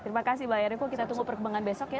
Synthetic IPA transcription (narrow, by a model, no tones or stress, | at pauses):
t̪əɾimakasibajaɾakukit̪at̪uŋupərkəbaŋanbesɔkja